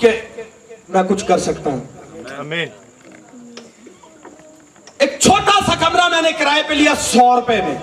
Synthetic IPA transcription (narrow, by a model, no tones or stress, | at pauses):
ke | mɛ̃ːkʊt͡ʃʰkəɾsəkt̪aːɦũː | ek̚t͡ʃʰoːʈaːsakəmɾaːmɛ̃ːnẽːkəɾaːepelɪjaːsɔːɾʊpeːmẽː